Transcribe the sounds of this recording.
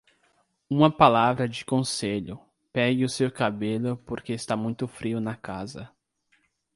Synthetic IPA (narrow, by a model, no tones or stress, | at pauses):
ũmɐpalavɾɐd͡ʒɪkõseʎʊ | pɛɡɪʊsewkabelʊpoɾkeɪst̪amũj̃t̪ʊfɾiʊnɐkazɐ